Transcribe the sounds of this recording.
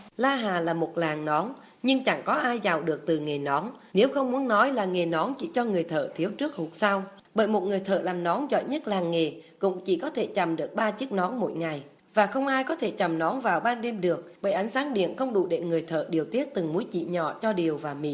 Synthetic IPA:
laː˧ɦaː˨˩laː˨˩mo˨˩t̚laː˨˩ŋnɔ˨˦n | ɲɨ˧ŋt͡ɕa˧˩ŋkɔ˨˦ʔaː˧jzaː˨˩wɗɨ˨˩ək̚t̪ɨ˨˩ŋe˨˩nɔ˨˦nne˨˦wxə˧wŋ͡mmu˨˦ənnɔ˨˦jlaː˨˩ŋe˨˩nɔ˨˦nt͡ɕḭ˧˩t͡ɕɔ˧ŋɨ˨˩əjt̪ʰə̰ː˧˨t̪ʰi˨˦əwt͡ɕɨ˦˥ək̚hu˨˩t̚sa˧w | ɓə̰ː˧˨jmo˨˩t̚ŋɨ˨˩əjt̪ʰə̰ː˧˨laː˨˩mnɔ˨˦nzɔ̰˧˨jɲə˦˥t̚laː˨˩ŋːe˨˩kʊ̰˧˥ŋ͡mt͡ɕḭ˧˩kɔ˨˦t̪ʰe˧˩t͡ɕa˨˩mɗɨ˨˩ək̚ɓaː˧t͡ɕɨ˦˥ək̚nɔ˨˦nmo̰˧˨jŋa˨˩j | vaː˨˩xə˧wŋ͡mʔaː˧jkɔ˨˦t̪ʰe˧˩t͡ɕa˨˩mnɔ˨˦nvaː˨˩wɓaː˧nɗe˧mɗɨ˨˩ək̚ɓə̰ː˧˨ʔa˨˦jŋ̟saː˨˦ŋɗḭ˧˨ənxə˧wŋ͡mɗṵ˧˩ɗḛ˧˨˩ŋɨ˨˩əjt̪ʰə̰ː˧˨ɗi˨˩əwt̪i˦˥ət̚t̪ɨ˨˩ŋmu˨˦jt͡ɕḭ˧˨ɲɔ̰˧˨t͡ɕɔ˧ɗi˨˩əwvaː˨˩mḭ˧˨

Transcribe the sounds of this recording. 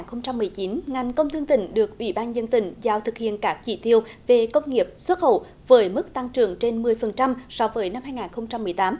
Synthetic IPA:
nxə˧wŋ͡mt͡ɕa˧mːɨ˨˩əjt͡ɕi˨˦nŋa˨˩jŋ̟kə˧wŋ͡mt̪ʰɨ˧əŋt̪ï˧˩ŋ̟ɗɨ˨˩ək̚ʔwḭ˧˩ɓaː˧nzə˧nt̪ï˧˩ŋ̟zaː˧˩wt̪ʰɨ˨˩k̚hḭ˧˨ənkaː˦˥k̚t͡ɕi˧˩t̪i˧əwve˨˩kə˧wŋ͡mŋi˨˩əp̚swə˦˥t̚xə̰˧˩˨w | vəː˨˦jmɨ˦˥k̚t̪a˧ŋt͡ɕɨ˨˩əŋt͡ɕe˧nmɨ˨˩əjfə˨˩nt͡ɕa˧msɔ˧˦vəː˨˦jna˧mɦaː˧jŋaː˨˩nxə˧wŋ͡mt͡ɕa˧mːɨ˨˩əjt̪aː˨˦m

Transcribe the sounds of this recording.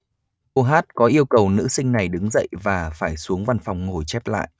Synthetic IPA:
ko˧ɦaː˦˥t̚kɔ˨˦ʔi˧əwkə˨˩wnɨ̰˧˥sï˧ŋ̟na˨˩jɗɨ˨˦ŋzə̰˧˨jvaː˨˩faː˧˩jsu˨˦əŋva˧nfa˨˩wŋ͡mŋo˨˩jt͡ɕɛ˦˥p̚la̰ː˧˨jʔ

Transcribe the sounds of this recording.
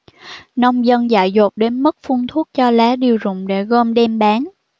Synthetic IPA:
nɔ˧wŋ͡mzə˧nza̰ː˧˨jzo˨˩t̚ɗe˨˦nmə˦˥t̚fu˧ənt̪ʰu˦˥t̚t͡ɕɔ˧laː˨˦ɗi˧˩əwzʊ̰˧˨ŋ͡mɗḛ˧˩ɣo˧mɗɛ˧mɓaː˨˦n

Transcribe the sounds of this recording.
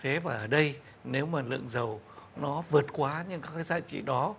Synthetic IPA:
t̪ʰe˨˦vaː˨˩ʔəː˧˩ɗə˧j | ne˨˦wmaː˨˩lɨ̰˧˨əŋzə˨˩wnɔ˨˦vɨ˨˩ət̚kwaː˨˦ɲɨ˧ŋkaː˨˦˥kaː˨˦jza̰ː˧˨t͡ɕḭ˧˨ɗɔ˨˦

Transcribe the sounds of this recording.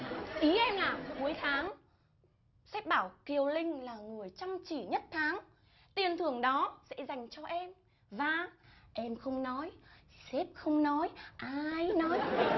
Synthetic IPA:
ʔi˨˦ʔɛ˧mlaː˨˩ku˨˦əjt̪ʰaː˨˦ŋ | sɛ˦˥p̚ɓaː˧˩wki˧˩əwlï˧ŋ̟laː˨˩ŋɨ˨˩əjt͡ɕɔ˧wŋ͡mt͡ɕi˧˩ɲə˦˥t̚t̪ʰaː˨˦ŋ | t̪i˨˩ənt̪ʰɨ˨˩əŋɗɔ˨˦sɛ̰˧˥za˨˩jŋ̟t͡ɕɔ˧ʔɛ˧m | vaː˨˩ʔɛ˧mxə˧wŋ͡mnɔ˨˦jsɛ˦˥p̚xə˧wŋ͡mnɔ˨˦jʔaː˧jnɔ˨˦j

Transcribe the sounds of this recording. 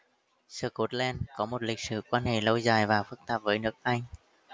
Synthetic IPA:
sɨː˧˩ko˨˥t̚lɛ˧nkɔ˨˦mo˨˩t̚lï˨˩k̟̚sɨ̰˧˩kwaː˧nhḛ˧˩˨lə˧wzaː˨˩jvaː˨˩fɨ˦˥k̚t̪aː˨˩p̚vəː˨˦jnɨ˦˥ək̚ʔa˧jŋ̟

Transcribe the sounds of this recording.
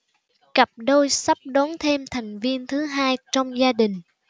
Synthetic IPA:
kə˨˩p̚ɗo˧jsa˦˥p̚ɗo˨˦nt̪ʰe˧mt̪ʰa˨˩jŋ̟vi˧ənt̪ʰɨ˨˦ɦaː˧jt͡ɕɔ˧wŋ͡mzaː˧ɗï˨˩ŋ̟

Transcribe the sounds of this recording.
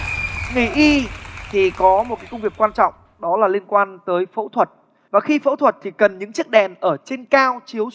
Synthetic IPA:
ŋi˧˩ʔi˧t̪ʰi˨˩kɔ˨˦mo˨˩t̚kaː˨˦jkə˧ŋ͡mvi˨˩əkːwaː˧nt͡ɕɔ̰˧˨wŋ͡m | ɗɔ˨˦laː˨˩li˧ənkwaː˧nt̪əː˨˦jfo̰˧˥t̪ʰwə˨˩t̚ | vaː˨˩xi˧fo̰˧˥t̪ʰwə˨˩t̚t̪ʰi˨˩kə˨˩nɲɨ̰˧˥ŋt͡ɕɨ˦˥ək̚ɗɛ˨˩nʔəː˧˩t͡ɕe˧nkaː˧wt͡ɕi˨˦əw

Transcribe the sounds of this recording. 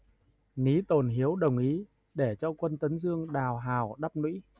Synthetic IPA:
ni˨˦t̪o˨˩nɦi˨˦əwɗə˨˩wŋ͡mʔi˨˦ | ɗe˧˩t͡ɕɔ˧kwə˧nt̪ə˨˦nzɨ˧əŋɗaː˨˩wɦaː˨˩wɗa˦˥p̚nwḭ˧˥

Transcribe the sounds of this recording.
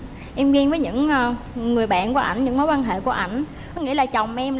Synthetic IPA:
ʔɛ˧mvi˧nvəː˨˦jɲɨ̰˧˥ŋəː˧ | ŋɨ˨˩əjɓa̰ː˧˨nku˧˩əʔa˧˩jŋ̟ɲɨ̰˧˥ŋmo˨˦jwaː˧nɦḛ˧˨ku˧˩əʔa˧˩jŋ̟ | kɔ˨˦ŋḭ˧˥laː˨˩t͡ɕa˨˩wŋ͡mʔɛ˧m

